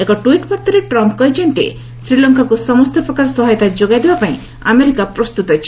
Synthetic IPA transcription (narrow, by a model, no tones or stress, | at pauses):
ekɔʈuiʈpɔɾt̪ʰɔɾeʈɾɔmpkɔjd͡ʒɔnt̪ḛ | sɾilɔŋkakusɔmɔst̪ʰɔpɾɔkaɾɔsɔɦajɔt̪ad͡ʒoɡajd̪ebapaĩ | a̰meɾikapɾɔst̪ut̪ɔt͡ʃʰi̥